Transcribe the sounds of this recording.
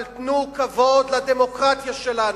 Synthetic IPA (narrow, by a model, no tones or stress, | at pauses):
lt̪nukavo̞d̪lad̪emo̞kʁat̪jaʃelan